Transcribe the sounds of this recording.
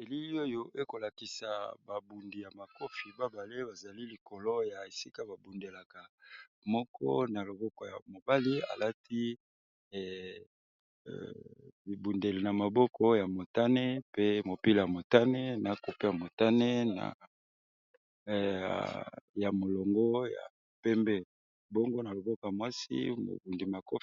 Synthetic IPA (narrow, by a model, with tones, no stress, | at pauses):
e˨li˦li˦o˦jo˦ʔe˦ko˨la˨ki˨sa˨ba˨bu˨ndi˨ja˨ma˨ko˦fi˨ba˦ba˨le˦ba˨za˨li˦li˨ko˨lo˦ja˨e˨si˦ka˦ba˨bu˨nde˨la˨ka˨ | mɔ˦kʰɔ̰˦na˨lo˨bɔ˦kɔ˨ja̰˨mo˨ba˦li˦a̰˨la˦ti˦˨ | i˨bu˨nde˨li˨na˨ma˨bɔ˦kʰɔ˦ja˨mo˨ta˦ne˦pe˦mo˨pi˦la˨ja˨mo˨ta˦ne˦na˨˦ko˨pe˦ja˨mo˨ta˦ne˦na̰˨ | ja˨mo˨lo˨ŋɡɔ˦ja̰˨ | pɛ˦mbɛ˦ | bɔ˦ŋɡo˦na˨lo˨bɔ˦ko˨ja˨mwa˦sḭ˦mo̰˨bu˨ndi˨ma˨ko˦